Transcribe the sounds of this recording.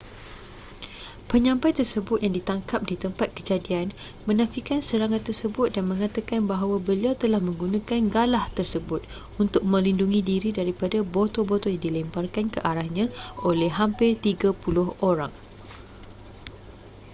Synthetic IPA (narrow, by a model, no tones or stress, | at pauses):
pəɲãmpajt̪ərsəbʊt̪̚jaŋdit̪aŋkap̚dit̪əmpat̪̚kəd͡ʒadian | mə̃nãfikansəɾaŋãt̪t̪ːərsəbʊt̪̚danmə̃ŋat̪akanbaɦawabəliawt̪əlahmə̃ŋɡunãkanɡalaht̪ərsəbʊt̪̚ | unt̪ʊk̚mə̃linduŋĩdiɾidaɾipadabot̪obot̪ojaŋdilɛmbarkankəʔaɾahɲãolɛhɦampɪrt̪iɡapulʊhoɾaŋ